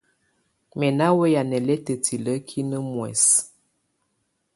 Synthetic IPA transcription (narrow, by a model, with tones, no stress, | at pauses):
mɛ˨na˦we˦ja˨nɛ˨lɛ˦tə˨ti˨lə˦kʰi˦nə˦mwɛ̰˨s